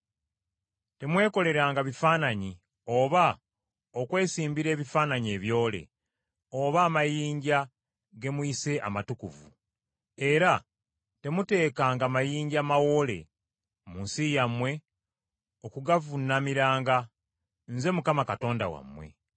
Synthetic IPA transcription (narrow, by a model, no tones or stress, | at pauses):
te̞mwe̞ːko̞le̞ɾaːŋɡaβifaːnaɲi | o̞βa | okwe̞ːsiːmbiɾe̞ːβifaːnaɲie̞ːβjo̞ːle̞̰ | oβaːmajiːɲɟa | ɡe̞muise̞ʔa̰matukuvṵ | e̞ɾa | te̞mute̞ːkaːŋɡaːmajiːɲɟaːmawo̞le̞̰ | munsijamwe̞ | okuɡavunːamiɾaːŋɡa | nze̞mukamakato̞ːnda̰wa̰mwe̞̰